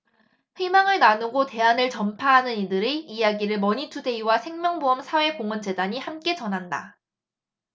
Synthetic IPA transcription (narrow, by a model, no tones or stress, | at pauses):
ɸimaŋɯɭnanuɡote̞anɯɭt͡ɕʌmpʰaɦanɯnidɯɾeijaɡiɾɯɭmʌɲitʰude̞iwasʰe̞ŋmjʌŋboɦʌmsʰawe̞koŋʌnd͡ʑe̞daɲihamk͈e̞t͡ɕʌnɦanda̰